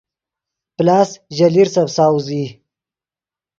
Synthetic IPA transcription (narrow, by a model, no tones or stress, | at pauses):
plaːsʒaliɾsabsaːwuzi